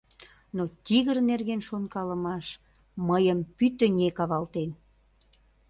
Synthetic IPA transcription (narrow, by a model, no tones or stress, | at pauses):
not̪ʲiɣərnerɣenʃonkɑləmɑʃ | məjəmpyt̪ə̆nʲekɑβɑlt̪en